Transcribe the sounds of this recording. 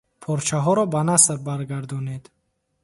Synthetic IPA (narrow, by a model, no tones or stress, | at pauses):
pʰɔɾt͡ʃʰaɦɔɾɔbanasɾbaɾɡaɾd̪ɔned̪